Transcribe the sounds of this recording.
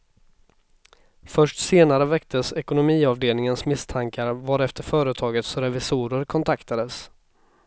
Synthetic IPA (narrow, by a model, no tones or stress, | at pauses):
fœʂʈseːnaɾəvɛkt̪ʰəsɛkʊnʊmiːɑvd̪eːlnɪŋənsmɪst̪ʰaŋkaɾvaɖɛft̪əɾfœːɾət̪ʰɑːɡət̪sɾɛvɪsuːɾəɾkʰɔnt̪ʰakt̪ʰad̪əs